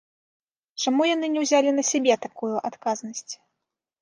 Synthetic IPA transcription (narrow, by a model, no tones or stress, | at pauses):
t͡ʂamujanɨnʲɛwzʲalʲinɐsʲabʲɛt̪akujuʔat̪kaznɐsʲt͡sʲ